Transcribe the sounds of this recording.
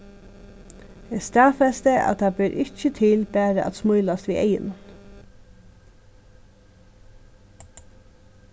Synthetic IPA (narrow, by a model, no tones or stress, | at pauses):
ɛst̪aːfɛst̪əʔæ̰tt̪ʰabɛːɾʔɪt͡ʃət̪ʰɪlbæːɾəʔæ̰t̪smʊjlast̪ʋiːʔɛ̰jɪ̰nʊn